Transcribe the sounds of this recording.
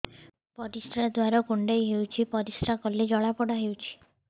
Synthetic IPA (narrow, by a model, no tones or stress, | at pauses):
pɔɾisʈɾad̪waɾɔkuɳɖejɦewt͡ʃʰipɔɾisʈɾakɔled͡ʒɔɭapɔɽaɦewt͡ʃʰi̥